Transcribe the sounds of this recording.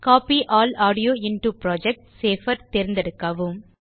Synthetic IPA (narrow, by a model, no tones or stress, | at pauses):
kaːpiʔaːlaːɽɪjoːɪnʈupɾoːd͡ʒɛk̚ʈseːfɐɾt̪eːɾɪnd̪ɐɽɯkːɐʋɯm